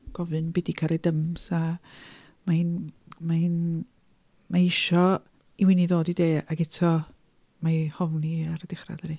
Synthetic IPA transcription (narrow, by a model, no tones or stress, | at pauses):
ɡ̥ɔvɨnbɪdikʰaɾɛdəmsa | man | man | maɪʃɔ | iwɪniðoːdideːaɡɛtʰɔ | mahɔvniaɾədɪχra̰ðɛɾi